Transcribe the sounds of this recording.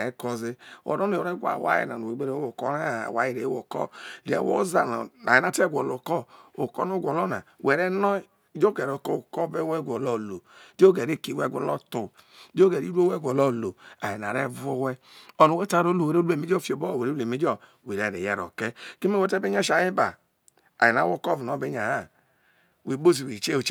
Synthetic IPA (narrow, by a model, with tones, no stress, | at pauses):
e˨˦kɔ˦ze˦ɔ̰˨ɾɔ˦n˦e˨o˨ɾe˦ɡʷa̰˨wa̰˦jḛ˨na̰˨no˨e˨ɡ͡be˦ɾe˦wo˨kɔ˦ɾa̰˦˨wa˦ji˨ɾe˨˦wo˨kɔ̰˦˨ɾḛ˨wo̰˦za˨n̰˨a˨e˨na˨˦˨tɛ˦ɡʷɔ˨lo˨kɔ˦o˨kɔ̰˦no˦ɡʷɔ˨lɔ˦na̰˨wɛ˨ɾɛ˦nɔ˦ | d͡ʒo˦ɡɛ˨ɾo˨kɔ˦˨kɔ˦be˦wɛ˦˨ɡʷɔ˨lɔ˦˨lo˨do˦ɡɛ˨ɾe˦˨ki˨wɛ˦˨ɡʷɔ̰˨lɔ˦tu˨˦ | d͡ʒo˦ɡɛ˨ɾi˦ɾu˦o˦wɛ˦˨ɡʷɔ˨lɔ˦˨lo˨a̰˨ji˨n˨a˨ɾɛ˦vu˦wɛ˦ | ɔ˨nu˨we˦ta˦˨ɾo˦lo˨we˨ɾe˦u˦e˨me˦d͡ʒo˦˨fi˨o˨bɔ˦˨we˨ɾe˦˨e˨me˦d͡ʒɔ˦ | we˨ɾe˨ɾe˨jɛ̰˦ɾɔ̰˨kɛ˦ki˦me˦wɛ˦tɛ˦be˦ɲ˦a˦ʃa˨ji˦ba̰˨ | a˨i˨n˨a˨˦wo˦kɔ˦vi˨nɔ˨˦be˦ɲa˨ha˦ | we˨˦bo˦zi˨we˨t͡ʃe˦o˨t͡ʃ